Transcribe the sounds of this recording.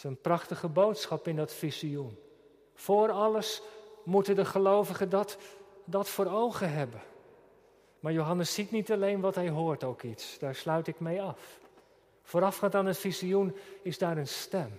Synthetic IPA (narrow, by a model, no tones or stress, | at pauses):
ənprɑχtəχəbowtsχɑpɪndɑtfiziun | fʊːɾɑləsmutədəχəlowvəχədtdɑtfʊːɾowχəɦɛbən | maːɹjowɦɑnəsitnitɑlejnʋɑtɦɛjɦʊːɹtowkitsd̥aːɹslœɥtɪkmejɑf | foːɾɑfχaŋtaːnətfiziunɪzdaːɾənstɛm